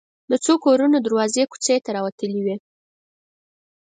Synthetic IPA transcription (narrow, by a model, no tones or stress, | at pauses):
d̪ət͡sokoɾunod̪aɾwɑzeku̥t͡sejt̪aɾɑwat̪əliwi